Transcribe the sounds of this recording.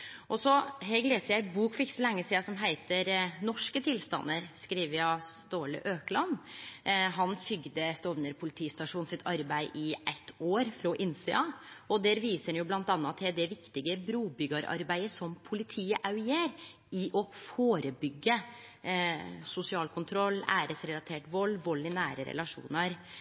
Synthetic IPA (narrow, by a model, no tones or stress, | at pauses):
ʔɔsɔɦɛɡleːsəɾjæɪbuːkfɪkːsɔlɛŋːəsiːɑsɔmɦæɪt̪əɾnɔʂkət̪ʰɪlst̪ɑ̰nːəɾskɾiːʋəɾjɑst̪oːlə̰ʔøːklɑnː | ɦɑnfʏɡd̪əst̪ɔʋnəɾpʰʊlɪt̪ʰiːst̪ɑʂuːnsɪt̪ʰɑɾbæɪʔɪʔæt̪ʰːoːɾfɾɔʔɪnsɛ̰ɑːɔd̪æːɾʋiːsəɛnjʊblɑnt̪ɑnːɑt̪ʰːɪld̪ɛʋɪkt̪ɪɡəbɾuːbʏɡɑɾɑ̰ɾbæɪəsɔmpʰʊlɪt̪ʰiːəʔɑʉjeːɾ | ɪʔɔfoːɾəbʏɡːə | sʊsɪɑːlkʰʊnt̪ʰɾɔlːæ̰ːɾəsɾɛlɑt̪ʰeːʈʋɔlːʋɔlːɪnæːɾə̰ɾɛ̰lɑʂṵːnəɾ